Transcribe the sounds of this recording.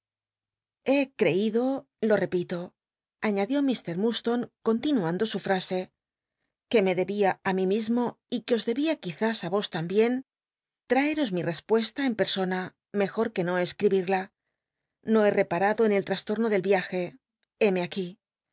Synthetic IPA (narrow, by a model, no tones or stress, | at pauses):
e̞kɾe̞iðo̞ | lo̞re̞pit̪o̞ | aɲaðjo̞mist̪e̞ɾmust̪o̞ŋko̞nt̪inuand̪o̞sufɾase̞ | ke̞me̞ðe̞βiaamimizmo̞ | ikeo̞zðe̞βiakiθasaβo̞st̪ambje̞n | t̪ɾaeɾo̞zmire̞spwe̞st̪ae̞mpe̞ɾso̞na | me̞xo̞ɾke̞no̞e̞skɾiβiɾla | no̞e̞re̞paɾaðo̞enelt̪ɾast̪o̞ɾno̞ðe̞lβjaxe̞ | e̞me̞aki